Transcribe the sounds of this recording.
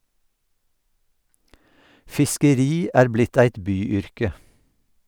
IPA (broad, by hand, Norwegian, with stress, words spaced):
fɪskəˈɾiː ˈæːɹ ˈblɪt ˈæɪt ˈbyːˌʏɹkə